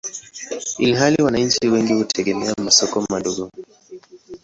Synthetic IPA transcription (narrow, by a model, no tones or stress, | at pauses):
ḭliɦaliwanaɲ̩t͡ʃiwɛŋɡihutʰɛɡɛmɛamasɔkɔmaɗɔɡɔ